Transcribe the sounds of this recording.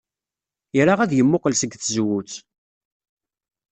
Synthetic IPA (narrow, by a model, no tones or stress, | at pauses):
jɾaʁæðjəmːʊqəlsəɡθəzwut͡s